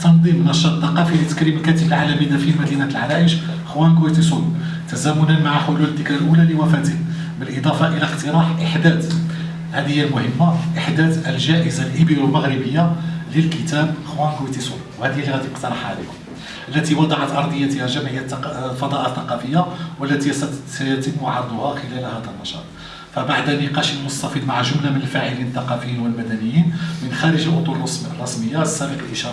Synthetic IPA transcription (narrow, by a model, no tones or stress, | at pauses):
t̪ːɑnd̪ˤimnɑʃɑt̪ˤːɑqɑfilət̪ːə̥kɾiməlkæt̪əbəlʕalæmid̪æfilmæd̪inæt̪əlʕalæʔəʃ | xwænɡuwit̪is̬ˤulu | t̪æzæmʊnənmaʕaħʊluld̪əkɾalʔulæləwæfæt̪əh | bəlʔid̪ˤɑfɑʔəlæqt̪əɾˤɑħʔəħd̪æd̪ | hæd̪əhjːalmʊhəmːaʔəħd̪æd̪əlʒæʔəzalʔəbilwəlməɣɾəbəjːaləlkət̪æbxwænɡwit̪isulwhæd̪ilhæd̪ʔəqt̪ɑɾˤɑħʕalḭkʊm | ʔəlːæt̪iwɑd̪ˤɑʕat̪ʔɑɾˤd̪ˤəjːæt̪əhæʒæmʕəjːæfɑd̪ˤɑʔθɑqɑfəjːawəlːæt̪ijæt̪əmːʊʕɑɾˤd̪ˤʊhɑxəlælhæd̪ælnːɑʃɑ̰t̪ˤ | fæbaʕd̪ænːɪqɑʃəlmʊst̪æfid̪maʕʒʊmlamənəlfaʕəlinət̪ːɑqɑfəjːinwəlmæd̪ænəjːinmənxæɾəʒʔʊt̪ˤuls | rˤːɑsməjːaəsːæbəqəlʔiʃɑɾ